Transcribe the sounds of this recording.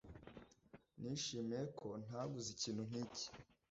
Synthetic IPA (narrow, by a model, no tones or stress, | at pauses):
niʃiːmijekʰo̞n̥aɡuziciːnhun̥iːci̥